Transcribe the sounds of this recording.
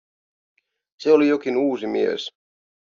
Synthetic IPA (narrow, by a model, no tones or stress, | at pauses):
seolijokinuːsimiḛs